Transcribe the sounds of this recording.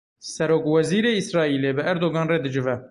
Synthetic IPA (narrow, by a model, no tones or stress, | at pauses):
sɛɾoːkwɛziːɾeːisɾɑːiːleːbɨʔæɾd̪oːɡɑːnreːd̪ɨd͡ʒɪvɛ